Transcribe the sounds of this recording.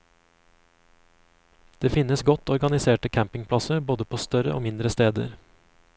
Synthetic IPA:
d̪̥eːfɪnəsɡɔt̪ɔɾɡɑnɪseːʈəkʰæmpɪŋpʰlɑsəɾboːd̪əpʰoːst̪œɾə̰ʔo̰ːmɪnd̪ɾəst̪eːd̪ə̰ɾ

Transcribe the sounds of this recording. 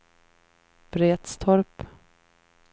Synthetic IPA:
b̥ɾeːt̪st̪ʰɔɾp

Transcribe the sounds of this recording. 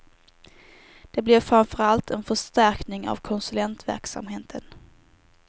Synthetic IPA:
d̪̥ɛblɛvfɾamfœɾalt̪ʰɛnfœʂt̪æɾknɪŋa̰vkʰɔnsɵlɛnt̪væ̰ɾksa̰mɦeːt̪ʰən

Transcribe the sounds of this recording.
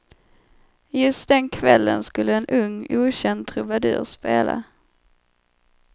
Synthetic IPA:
jɵst̪̚d̪ɛnkʰvɛlːənskɵlːəɛnʔɵŋːuːɕɛnd̪̚t̪ʰɾɵvad̪ʉ̰ːɾspeːla̰

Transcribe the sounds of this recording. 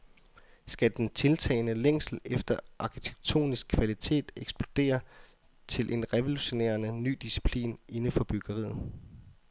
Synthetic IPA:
sɡ̥æd̥ent͡sʰe̝lt͡sʰɛ̰ːɪnəleŋ̰sl̩efd̥ɐʔɑ̈kʰit͡sʰe̥ɡ̥̚t͡sʰo̝̰ːnisɡ̥̚kʰʋælit͡sʰe̝̰ːd̥eɡ̥sb̥lo̝d̥e̝̰ːɐ | t͡sʰe̝lʔe̝nʁɛʋo̝luɕo̝nḛːɐnəny̰ːd̥isi̥pʰlḭːnʔe̝nəfɒ̽b̥yɡ̥ɐʁḭːð̩ˠ

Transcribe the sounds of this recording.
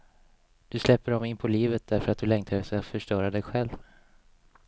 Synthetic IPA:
d̪̥ɵslɛpːəɖɔmɪnpʰɔliːvət̪̚d̪æɾfœɾat̪̚d̪ɵlɛŋkt̪ʰad̪əsɛjafœʂʈœːɾad̪ɛjɧɛlv

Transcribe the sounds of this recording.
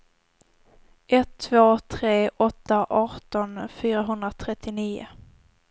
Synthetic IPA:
ʔɛt̪ʰːvoːt̪ʰɾeːʔɔt̪ːaʔɑːʈɔnfyːɾaɦɵnd̪ɾat̪ʰɾɛt̪ʰːɪniːʊ̰

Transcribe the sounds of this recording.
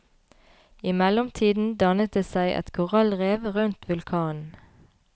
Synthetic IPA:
ɪmɛlʊmt̪ʰiːd̪n̩d̪ɑnət̪̚d̪eːsæɪʔɛ̰t̪kʰʊʁɑlʁeːʋʁʉnt̪ʋʉlkʰɑːnn̩

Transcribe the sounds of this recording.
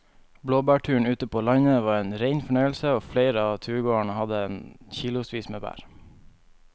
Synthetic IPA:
bloːbæːʈʰʉːɳ̩ʉːt̪əpʰoːlɑɲəʋɑːɾeːnɾeɪnfɔɳœʏəlsəoːfleɪɾəɑːt̪ʰʉːɡoːəɳəhɑd̪əeːnçiːlʊsʋiːsmḛːbæ̰ːɹ

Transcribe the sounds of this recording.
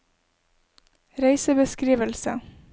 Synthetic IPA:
ɾæɪsəbəskɾiːʋəlsə

